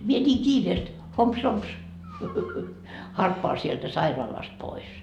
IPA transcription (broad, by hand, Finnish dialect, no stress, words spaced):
mie nʲiːŋ kiːreːst homps homps hɑrpːoɑ sieltæ sɑirɑːlɑst pois